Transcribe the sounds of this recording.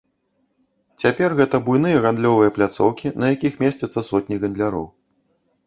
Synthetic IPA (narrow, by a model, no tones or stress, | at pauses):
t͡sʲapʲɛrɣɛt̪ɐbujnɨjɐɣand̪lʲɔvɨjɐplʲat̪sɔwkʲinɐjakʲixmʲesʲt͡sʲɐt̪sːɐsɔt̪ʲnʲiɣɐnd̪lʲaɾɔ̰w